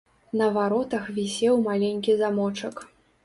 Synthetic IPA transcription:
nɐvaɾɔt̪ɐxvʲisʲɛwmalʲenʲkʲizamɔt͡ʂɐk

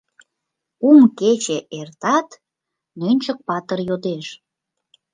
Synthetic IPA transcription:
umket͡ɕeʔert̪ɑt̪ | nønʲt͡ɕək̚pɑt̪ərjod̪eʃ

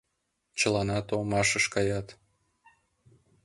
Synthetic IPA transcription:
t͡ɕəlɑnɑt̪omɑʃəʃkɑjɑt̪

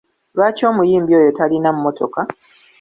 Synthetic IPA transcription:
βaːco̞ːmujiːmbio̞ːjo̞talinamumotʰo̞̰ka

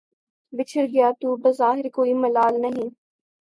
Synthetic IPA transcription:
bɪt͡ʃʰəɾɡɪjaːt̪uːbɐzaːɦɪɾkoːimɐlaːlnɐɦĩː

